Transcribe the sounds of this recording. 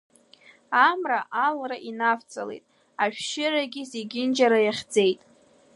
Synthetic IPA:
amraʔalraʔinaft͡sʼalejtʼ | aʃᶣʃɪɾaɡʲɪzeɡʲɪnd͡ʒaɾajaχʲd͡ze̞jtʼ

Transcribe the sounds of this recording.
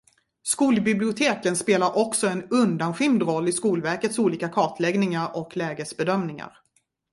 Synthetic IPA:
skuːlbɪblɪʊt̪ʰeːkənspeːlaɾʔɔksɔɛnɵnd̪anɧɪmd̪ɾɔlːɪskuːlvæɾkət̪suːliːkakʰɑːʈ̪ʰlɛɡnɪŋaɾɔklɛːɡəsbɛd̪œmnɪŋa̰ɾ

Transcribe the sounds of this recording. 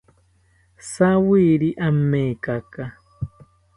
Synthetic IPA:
sawiɾiʔam̩mɛkaka

